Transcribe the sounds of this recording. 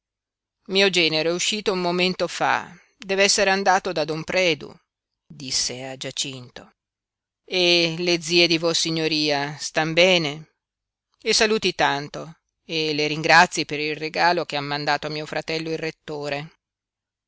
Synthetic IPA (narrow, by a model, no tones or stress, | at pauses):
miːod͡ʒɛːneɾoɛuʃːiːt̪oumːoment̪ofa̰ | d̪ɛːveɛsːeɾeand̪aːt̪od̪ad̪ompɾɛːd̪ṵ | d̪isːead͡ʒat͡ʃint̪o | eled̪ziːed̪ivosːiɲːoɾiːast̪ambɛːne | esːaluːt̪it̪ant̪o | eleɾiŋɡɾat̪sːjipeɾilreɡaːlok̟eamːand̪aːt̪oamːiːofɾat̪ɛlːoilret̪ːoːɾe